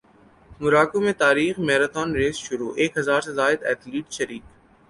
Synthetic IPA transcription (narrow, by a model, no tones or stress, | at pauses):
mʊɾaːkõmẽt̪aːɾiːxmɛːɾat̪ɔːnɾeːzʃʊɾuːʔeːkɦɐzaːɾsezaːɪd̪ɛ̰ːt̪liːʈʃɐɾiːk